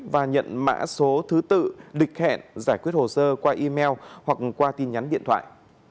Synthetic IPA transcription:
vaː˨˩ɲə̰˧˨nma̰ː˧˥so˨˦t̪ʰɨ˨˦t̪ɨ̰˧˨lï˨˩k̚hɛ̰˧˨nzaː˧˩jkwət̚ho˨˩səː˧kwaː˧ʔi˧mɛ˧whwa˨˩k̚kwaː˧t̪i˧nɲa˨˦nɗḭ˧˨ənt̪ʰwa̰ː˧˨jʔ

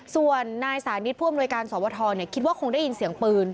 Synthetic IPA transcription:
su˨˩ənːaː˧jsaː˩˦ni˦˥t̪̚pʰuː˥˩ʔmnu˧jkaː˧nsɔː˩˦wɔː˧t̪ʰɔː˧ni˥˩kʰi˦˥waː˥˩kʰo˧ŋda˥˩jːi˧nsi˩˦əŋpɯː˧n

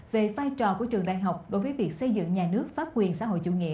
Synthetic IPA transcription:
ve˨˩vaː˧jt͡ɕɔ˨˩ku˧˩ət͡ɕɨ˨˩əŋɗa̰ː˧˨˩jɦa˨˩wk͡p̚ɗo˨˦jvəː˨˦jvi˨˩ək̚sə˧jzɨ̰˧˨ŋɲaː˨˩nɨ˦˥ək̚faː˦˥t̚kwi˨˩ənsa̰ː˧˥ɦo̰˧˨jt͡ɕṵ˧ŋḭ˧˨

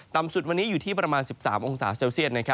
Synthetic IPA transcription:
t̪a˨˩msu˨˩t̪̚wa˧nːiː˦˥juː˨˩t̪ʰiː˥˩pɾa˧maː˧nsi˨˩p̚saː˩˦mʔo˧ŋsaː˩˦seː˧wsi˥˩ət̪̚na˥kʰɾa˦˥

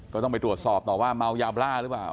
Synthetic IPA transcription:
kɔː˥˩t̪ɔ˥˩ŋpa˧jt̪ɾu˨˩ət̪̚sɔː˨˩p̚t̪ɔː˨˩waː˥˩ma˧wjaː˧wplaː˥˩ɾɯ˦˥plaː˨˩w

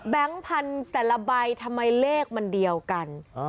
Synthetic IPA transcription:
bɛ˦˥ŋpʰa˧nt̪ɛː˨˩la˧ba˧jt̪ʰa˧mːa˧jleː˥˩k̚ma˧ndi˧əwka˧n

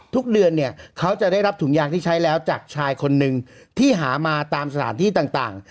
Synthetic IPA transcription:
t̪ʰu˦˥k̚dɯ˧ənːi˥˩ɐkʰa˦˥wt͡ɕa˨˩daː˥˩jɾa˦˥p̚t̪ʰu˩˦ŋjaː˥˩k̚t̪ʰiː˥˩t͡ɕʰa˦˥jlɛː˦˥wt͡ɕaː˨˩k̚t͡ɕʰaː˧jkʰo˧nːɯ˨˧ŋ | t̪ʰiː˥˩ɦaː˩˦maː˧t̪aː˧msa˧tʰaː˩˦nt̪ʰiː˥˩t̪aː˨˩ŋt̪aː˨˩ŋ

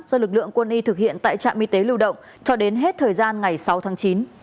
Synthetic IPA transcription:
zɔ˧lɨ˨˩k̚lɨ̰˧˨əŋkwə˧nʔi˧t̪ʰɨ˨˩k̚hḭ˧˨ənt̪a̰ː˧˨t͡ɕa̰ː˧˨mʔi˧t̪e˨˦lɨ˧wɗə̰˧˨wŋ͡m | t͡ɕɔ˧ɗe˨˦nɦe˦˥t̚t̪ʰəː˨˩jzaː˧nŋa˨˩jsa˨˦wt̪ʰaː˨˦ŋt͡ɕi˨˦n

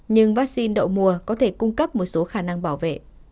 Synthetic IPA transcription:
ɲɨ˧ŋvaː˦˥k̚si˧nɗə̰˧˨wmu˨˩əkɔ˨˦t̪ʰe˧˩kʊ˧ŋ͡mkə˦˥p̚mo˨˩t̚so˨˦xaː˧˩na˧ŋɓaː˧˩wvḛ˧˨

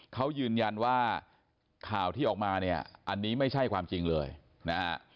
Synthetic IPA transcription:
kʰa˦˥wjɯː˧nja˧nwaː˥˩ | kʰaː˨˩wt̪ʰiː˥˩ʔɔː˨˩k̚maː˧ni˥˩ɐʔa˧nːiː˦˥ma˥˩jt͡ɕʰa˥˩jkʰwaː˧mt͡ɕi˧ŋlɤː˧j | na˦˥

